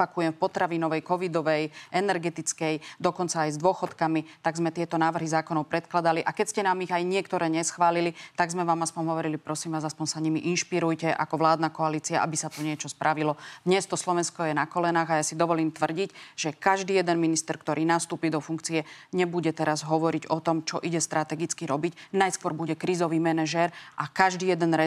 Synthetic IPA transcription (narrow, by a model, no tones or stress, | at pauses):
pakujɛmfpɔt̪ɾaʋiːnɔʋɛjkɔʋid̪ɔʋɛjʔɛnɛɾɡɛt̪it͡skɛjd̪ɔkɔnt͡saːjzd̪ʊɔxɔt̪kamit̪aɡzmɛt̪ɪɛt̪ɔnaːʋr̩ɦizaːkɔnɔʊpɾɛt̪klad̪aliʔakɛcscɛnaːmiɣajɲɪɛkt̪ɔɾɛːɲɛsxʋaːlilit̪aɡzmɛʋaːmaspɔmɦɔʋɔɾilipɾɔsimʋaːzaspɔnsaɲimiʔinʃpiɾujcɛʔa̰kɔʋlaːd̪nakɔaliːt͡sia̰ʔa̰bisat̪uɲɪɛt͡ʃɔspɾʔaʋilɔd̪ɲɛst̪ɔslɔʋɛnskɔjɛnakɔlɛnaːɣajasid̪ɔʋɔliːmt̪ʋr̩ɟicʒ̥ɛkaʒd̪iːjɛd̪ɛnminist̪ɛɾkt̪ɔɾʔiːnast̪uːpiːd̪ɔfuŋkt͡sijɛɲɛbuɟɛt̪ɛɾazɦɔʋɔɾiɟɔt̪ɔmt͡ʃɔʔiɟɛst̪ɾʔat̪ɛɡit͡skiɾɔbicnajskʋɔɾbuɟɛkɾiːzɔʋiːmɛnɛʒɛɾʔakaʒd̪iːjɛd̪ɛnɾɛ